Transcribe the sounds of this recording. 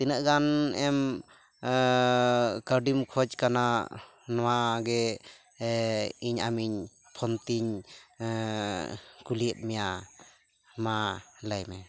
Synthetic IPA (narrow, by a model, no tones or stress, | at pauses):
t̪inəʔɡanɛm | kəɾɖimkʰɔd͡ʒkana | nɔwaɡɛ | iɲa̰miɲ | pʰɔnt̪iɲ | kuliəp̚mɛja | malajmɛ